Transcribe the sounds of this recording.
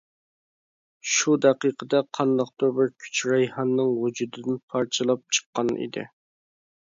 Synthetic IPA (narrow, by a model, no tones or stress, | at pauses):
ʃud̪ɛqiqʰəd̪ɛqʰɑnd̪ɑq̚t̪obɪɾkʲʰy̥t͡ʃɾɑjhɑnːɨŋwud͡ʒud̪ɨd̪ɪnpʰɑɾt͡ʃʰɨlˠɑp̚t͡ʃʰə̥qːɑnḭd̪ɪ̰